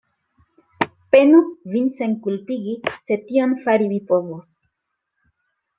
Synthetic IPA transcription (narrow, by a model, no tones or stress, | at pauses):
penuvinseŋkulpiɣiset̪ionfaɾiβipoðos